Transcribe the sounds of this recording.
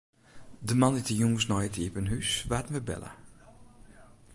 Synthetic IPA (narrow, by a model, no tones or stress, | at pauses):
dəmanitəjuŋsnɔjətʰiəpənɦysʋaːtən̩ʋəbɛ̰lə̰